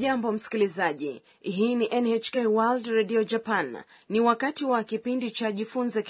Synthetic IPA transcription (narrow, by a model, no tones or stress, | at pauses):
ʄambɔm̩si̥kilizaʄi | ɦiniʔɛnɛt͡ʃkewaldɾɛɗiɔd͡ʒapanː | iwakatiwakipindit͡ʃaʄifunzɛk